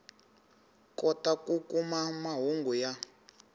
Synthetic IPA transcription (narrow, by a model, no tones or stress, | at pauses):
kɔtakukumamaɦuŋɡuja